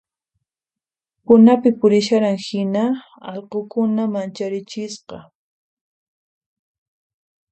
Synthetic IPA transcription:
pʊnapɪpʊɾɪʃaɾaŋhɪna | ɑlqokʊnamant͡ʃaɾɪt͡ʃɪsqɑ

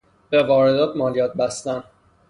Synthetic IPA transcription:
b̥e̞vɒːɾed̪ɒːt̪ʰmɒːlijɒːt̪̚bæst̪æn

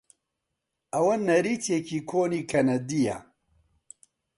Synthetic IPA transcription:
ɐwɐnɐɾit̪ʰjekiːkʰoːniːkʰɐnɐd̪ija̰

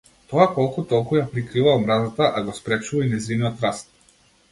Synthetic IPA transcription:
t̪ɔakɔlˠkut̪ɔlˠkujapɾikɾivaɔmɾazat̪aʔaɡɔspɾɛt͡ʃuvainɛziniɔt̪ɾast̪̚

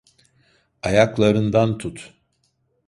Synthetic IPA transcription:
ajaklˠaɾɯnd̪ant̪ʰut̪

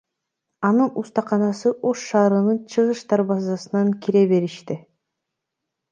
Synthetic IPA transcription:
ɑnɯnust̪ɑqɑnɑsɯʔo̞ʃːɑːɾɯnɯnt͡ʃʰɯʁɯʃt̪ɑɾβɑzɑsɯnɑŋkʲiɾeβe̞ɾiʃt̪i

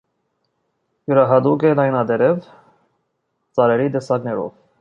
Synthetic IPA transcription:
juɾɑɦɑd̪uɡɛlɑjnɑd̪ɛɾɛv | t͡sɑɾɛɾid̪ɛsɑɡnɛɾɔ̰v

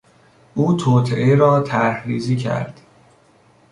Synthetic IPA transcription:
ʔuːt̪ʰoːt̪ʰeʔeɾɒːt̪ʰæɾhɾiːziːcʰæ̰ɾd̪̥

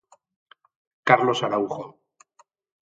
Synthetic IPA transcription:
kaɾlo̞saɾauχo

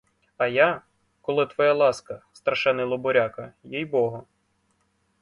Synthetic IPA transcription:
ɐja | kɔlˠɪt̪ʋɔjalˠɑskɐst̪ɾɐʃɛnɪlˠɔbɔɾʲakɐjijbɔɦɔ

